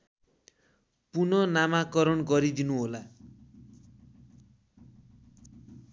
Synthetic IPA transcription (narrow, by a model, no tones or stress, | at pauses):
punʌnamakʌɾʌnɡʌɾid̪inuɦola